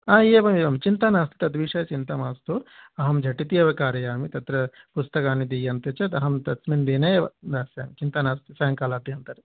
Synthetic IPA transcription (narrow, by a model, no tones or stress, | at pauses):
aːieʋɐmiʋɐmt͡ʃint̪ɐnaːst̪i̥t̪ɐd̪ʋiːʂɐjɐt͡ʃint̪ɐmaːst̪uːɾɐɦɐmd͡ʒʱɐʈit̪ijɐʋɐkaːɾɐjaːmit̪ɐt̪ɾɐ | pust̪ɐkaːnid̪ijɐnt̪ɐt͡ʃɐt̪ɐɦɐmt̪ɐt̪smind̪iːnɐjʋɐd̪aːsjaːmit͡ʃint̪ɐnaːst̪isɐːŋkaːlaːd̪iɐnt̪ɐɾ